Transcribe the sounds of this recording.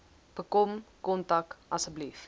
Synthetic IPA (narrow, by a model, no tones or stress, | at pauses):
b̥əkɔmkɔntɐkɐsəblif